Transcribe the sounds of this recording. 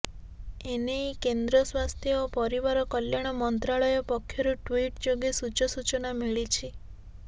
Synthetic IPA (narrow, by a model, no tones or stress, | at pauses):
enejkend̪ɾɔswast̪ʰjɔopɔɾiβaɾɔkɔljaɽ̃ɔmɔnt̪ɾaɭɔjɔpɔkʰːjɔɾuʈwiʈd͡ʒoɡisut͡ʃɔsut͡ʃɔnamiɭit͡ʃʰi